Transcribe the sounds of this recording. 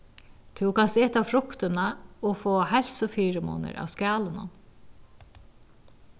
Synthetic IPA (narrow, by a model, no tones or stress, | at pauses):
t̪ʰɪwkasɪːt̪awfɾʊkt̪ɪnaɔfoːhɛlsʊfiːɾəmo̰ːnə̰ɾa̰ːwskaːlənʊ̰n